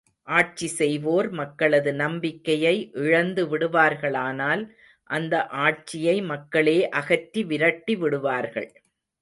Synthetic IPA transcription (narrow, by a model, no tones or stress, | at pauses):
ʔaːʈ̚t͡ʃisɛjʋoːɾmɐkːɐɭɐðɯnɐmbɪkːɐjɐɪʔɪɻɐnd̪ɯʋɪɽɯʋaːɾɣɐɭaːnaːl | ʔɐnd̪ɐʔaːʈ̚t͡ʃɪjɐɪmɐkːɐɭeːʔɐɣɐtːiʋɪɾɐʈːiʋɪɽɯʋaːɾɣɐ̰ɭ